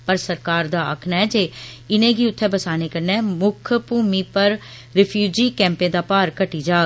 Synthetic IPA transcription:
pəɾsəɾkaːɾd̪aːə̰kʰnɛɛd͡ʒeːɪnẽːɡiːʊt̪ʰːɛbəsaːnekəɾnɛːmʊkʰəpuːmiːpəɾ | ɾɪfʰjuːd͡ʒiːkɛ̃ːmpẽd̪aːpaːɾkəʈiːd͡ʒaː

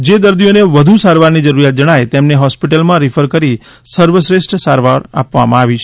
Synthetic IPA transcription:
d͡ʒed̪əɾd̪ioneʋəd̪ʱusaɾʋaɾnid͡ʒəɾuɾjat̪̚d͡ʒəɽ̃ajt̪emneɦɔspiʈəlmãɾifʰəɾkəɾi | səɾʋəsɾesʈəsaɾʋaɾa̰pʋa̰mãaʋit͡ʃʰ

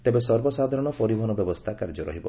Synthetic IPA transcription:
t̪ebesɔɾbɔsad̪ʱaɾɔɽ̃ɔpɔɾibʱɔɦɔnɔbjɔbɔst̪ʰakaɾd͡ʒɔɾɔ̰ɦibɔ̰

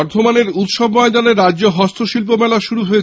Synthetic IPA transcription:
ɔɾt̪ʰomaneɾut̪ʃobmɔed̪aneɾːad͡ʑoɦɔst̪ʰoʃilp̬omɛlaʃuɾuɦoet͡ɕ

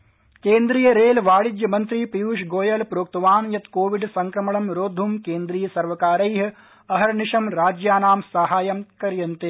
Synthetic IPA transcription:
keːnd̪ɾiːjɐɾeːlʋaːɽid͡ʒjɐmɐnt̪ɾipijuːʃɡoːjɐlpɾoːk̚t̪ɐʋaːnjɐt̪koːʋiɖsɐŋkɾɐmɐɳɐmɾoːd̪ʱumkeːnd̪ɾiːjɐsɐɾʋɐkaːɾɐjɦ | ɐɦɐɾniʃɐmɾaːd͡ʒjaːnaːmsɐɦaːjɐmkɐɾjɐnt̪e

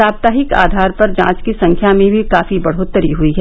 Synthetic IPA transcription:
aːp̚t̪aːɦɪka̰ːd̪ʱaːɾpɐɾd͡ʒã̰ːt͡ʃkisɐ̃ŋkʰjamẽbʱikaːfibɐɽ̤ot̪ːəɾiɦuiɦɛː

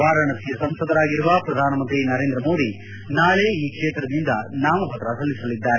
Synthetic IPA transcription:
ʋaːɾɐɳɐsijɐsɐmsɐd̪ʱɐɾaːɡiɾuʋɐpɾɐd̪ʱaːnɐmɐnt̪ɾinɐɾeːnd̪ɾɐmo̞ːd̪i | naːɭeiːkʂeːt̪ɾɐd̪ind̪ɐnaːmɐpɐt̪ːɾɐsɐlːisɐlid̪ːaːɾe

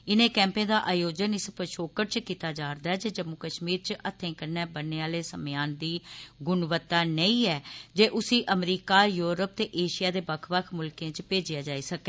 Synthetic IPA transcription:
ɪnẽːkɛ̃ːmpẽːd̪aːʔaːjoːd͡ʒənɪspəʃoːkəʈ̚t͡ʃkiːt̪aːd͡ʒaːɾd̪aːɛːd͡ʒeːd͡ʒəmːʊkəʃmiːɾt͡ʃʔət̪ʰːẽːkəɾnɛːbənːeːaːleːsəmɪjaːnd̪iːɡʊnʋət̪ːaːnəĩːɛːd͡ʒeːʔʊsiːʔəmɾiːkaːjuːɾəp̚t̪eːʔeːʃɪjaːd̪eːbəkʰʋəkʰmʊlkẽːt͡ʃpeːd͡ʒɪjaːd͡ʒaːiːsəkɛː

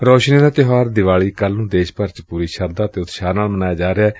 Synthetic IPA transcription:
ɾoːʃnẽːd̪aːt̪ɪɦaːɾd̪ɪʋaːɭiːkəlnũːd̪eːʃpəɾt͡ʃpuːɾiːʃəɾd̪aːət̪eːʊt̪ʃaːnaːlmənaːjaːd͡ʒaːɾeɛː

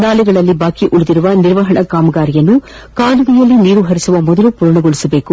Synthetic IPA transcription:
naːlɛɡɐɭɐlːibaːkiʔuɭud̪iɾuʋɐniɾʋɐɦɐɳɐkaːmɐɡaːɾijɐnːu | kaːluɡijɐlːiniːɾuɦɐɾisuʋɐmɔd̪ɐlupuːɾɐɳɐɡoɭisɐbe̞ːku

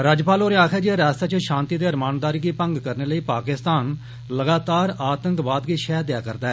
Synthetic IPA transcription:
ɾəd͡ʒpaːloːɾeaːkʰɛːd͡ʒieːɾaːst̪aːt͡ʃəʃãːnt̪iːd̪eːɾmaːnd̪aːɾiːɡiːpəŋɡkəɾneːləiːpaːkɪst̪aːn | ləɡaːt̪aːɾaːt̪əŋkʋaːd̪ɡiːʃɛːd̪ɪjaːkəɾd̪aːɛː

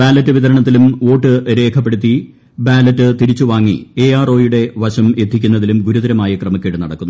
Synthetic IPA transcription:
baːlɐtːɨʋiðɐɾɐɳɐt̪ːilumo̞ːʈːɨɾe̞ːkʰɐpːe̞ɽut̪̬ːi | baːlɐtːɨt̪iɾit͡ɕːuʋaːŋːḭeaːro̞ːjuɽe̞ʋɐɕɐme̞t̪ʰːikʲːunːɐðilumɡuɾuðɐɾɐmaːjɐkrɐmɐkʲːeʈːɨnɐɽɐkːunːu

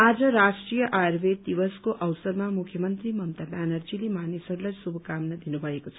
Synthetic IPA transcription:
ad͡zʌɾasʈrijʌʔaɾbed̪ibʌskoʔʌwsʌɾmamukʰjʌmʌnt̪ɾimʌmt̪abanʌɾd͡zilimanisʌɾulajsubʱʌkamnʌd̪inubʱʌekot͡sʰʌ

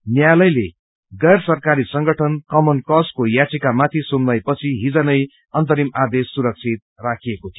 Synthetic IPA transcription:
njalʌjle | ɡʌjrsʌrkaɾisʌŋɡʌʈʰʌnkʌmʌnkʌskojat͡sikamat̪ʰisunːʌjpʌt͡sʰiɦid͡zʌnʌj | ʌnt̪ʌɾimad̪esːuɾʌk̚t͡sʰit̪̚rakʰiekot̪ʰijo

